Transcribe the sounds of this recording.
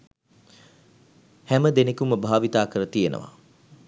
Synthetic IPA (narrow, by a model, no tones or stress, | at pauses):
hɛməd̪enekuməbʱaːʋit̪aːkəɾət̪ijenʔə̰ʋa̰